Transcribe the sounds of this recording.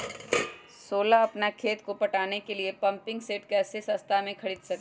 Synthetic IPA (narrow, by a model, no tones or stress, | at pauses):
soːlaɐpnakʰeːt̪kopɐʈaːnekeliepɐ̃mpɪ̃ŋɡseːʈkɛːsesɐ̃st̪ʰamẽkʰɐɽiːd̪sɐkː